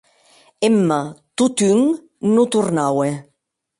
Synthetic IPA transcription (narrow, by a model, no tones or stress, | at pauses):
emːat̪ut̪yŋ | nut̪urnawe